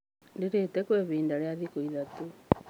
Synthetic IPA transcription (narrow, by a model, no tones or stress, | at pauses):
deɾetɛkweβiːndaɾeaðikoiðato